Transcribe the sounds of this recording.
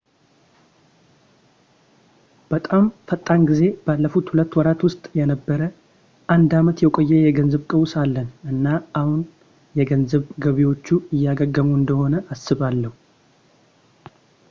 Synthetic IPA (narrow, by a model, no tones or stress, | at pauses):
b̥ət̪ʼamfət̪ʼːanɡize̞b̥alːəfut̪hulət̪ːwɔɾat̪wʊst̪ʼjɛnəbːəɾə | ʔand̪amət̪jɛkʼojːɛjɛɡənzəβkʼəwsalːənɨnːaʔahun | jɛɡənzəβɡəβiwo̞t͡ʃːuɨjːaɡəɡəmuɨnd̪əho̞nəʔasːɨβalːəhu